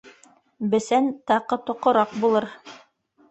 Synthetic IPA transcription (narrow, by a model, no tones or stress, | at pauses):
bɘ̆sænt̪ɑqɤt̪ŏqŏɾɑq̚bulˠɤɾ